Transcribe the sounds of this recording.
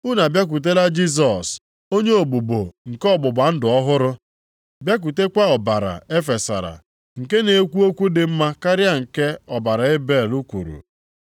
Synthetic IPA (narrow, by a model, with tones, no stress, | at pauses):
u˦na˨bja˦k̬u˨t̬e˦la˦d͡ʒi˦s̬ɔ˨s | o˦ɲe˦o˨ɡ͡bu˨bo˨ŋ̩˨kɔ˦ɡ͡bʊ˨ɡ͡ba˨n̩˦dʊ˨ɔ˦ɦʊ˦ɾʊ˦ | bja˦k̬u˨te˦kʷa˦ɔ˨ba˨ɾa̰˨e˦fe˨sa̰˨ɾa̰˨ | ŋ̩˨ke˦ne˨˦kʷu˦o˦kʷu˦dɪ˨m̩˦ma˦ka˦ɾja˦ŋ̩˨ke˦ɔ˨ba˨ɾa˨e˦be˦˨lu˦kʷṵ˨ɾṵ˨